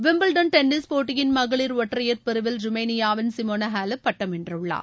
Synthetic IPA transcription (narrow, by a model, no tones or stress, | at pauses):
ʋɪmbɐlɖɐnʈɛnːispoːʈːɪjɪnmɐɣɐɭɪɾʋɔʈːrɐjɐɾpɪɾɯʋɪlɾʊmɐːnɪjaːʋɪnsɪmoːnɐɦaːlɐpːɐʈːɐmɛndrɯɭːa̰ː